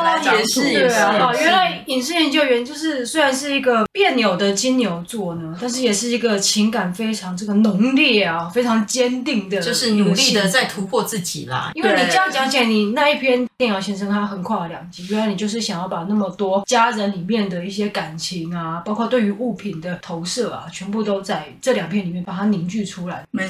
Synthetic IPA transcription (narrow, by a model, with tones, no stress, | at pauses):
la˧˥ɛ˨˩˥jɥɛ˧˥nla˧˥ɪi˨˩nʂ̬ɻ̩˥˩jɛ˧˥nt͡ɕjo˥˩ʊɥɛ˧˥nt͡ɕjo˥˧ʊʂɻ̩˥˧swe˥ɪɻa˧˦nʂɻ̩˥˩i˧˥ɡə˧pjɛ˥˩nnjo˨˩ʊd̪ə˨t͡ɕi˥nnjo˨˩ʊt͡swɔ˥˩nə˩˦t̪a˥˧nʂ̬ɻ̩˥˩jɛ˨˩ʂɻ̩˥˩i˧˥ɡə˧t͡ɕʰi˧˥ŋka˨˩nfe˥ɪʈ͡ʂʰɑ˧˥ŋʈ͡ʂɤ˥˩ɡə˨nʊ˧˥ŋljɛ˥˩a˨˩fe˥ɪʈ͡ʂʰɑ˧˥ŋt͡ɕjɛ˥nt̪i˥˩ŋd̪ə˩o˥˧ʂ̩˥˨ə˧ɡə˧li˥˨˥d̪ə˨t͡sa˥˩ɪt̪ʰu˧˥pʰwɔ˥˧t͡sɹ̩˥˩t͡ɕḭ˨˩lɐ̰˩i˥nwe˥˩ɪni˨˩ʈ͡ʂə˥˧jɑ˥˩t͡ɕjɑ˧˥ŋt͡ɕʰi˨la˧˩ɪni˨˩na˥˧i˥˩pʰjɛ˥njɛ˥˧njɑ˥˩ʊɕɛ˧˥nʂə˥ŋt̪ʰa˥xə˨˩nkʰwa˥˩˨ljɑ˨˩ŋt͡ɕi˧˥˩ɥy˥la˧˥ɪni˨˩t͡ɕjo˥˧ʊʂɻ̩˥˩ɕjɑ˨˩ŋjɑ˥˩ʊpa˨˩na˥˩mə˩t̪wɔ˥t͡ɕja˥ɻə˧˦nli˨˩mjɛ˥˩nd̪ə˩i˥˩ɕjɛ˥ka˨˩nt͡ɕʰi˧˥ŋa˧pɑ˥kʰwt̪we˥˩ɪy˧˥ʔu˥˩pʰi˨˩nd̪ə˦t̪ʰo˧˥ʊʂɤ˥˩a̰˩t͡ɕʰɥɛ˧˥npu˥˩t̪o˥ʊt͡sa˥˩ɪʈ͡ʂɤ˥˩ljɑ˨˩ŋpʰjɛ˥˩nli˨˩mjɛ˥˩npa˨˩a˥ni˧˥ŋt͡ɕy˥˩ʈ͡ʂʰu˥la˧˦ɪ˥